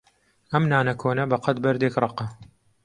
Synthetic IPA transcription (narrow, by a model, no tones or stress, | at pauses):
ɐmnaːnɐkʰoːnɐbɐqɐt̪̚bɐɾd̪eːkrˤɑqɑ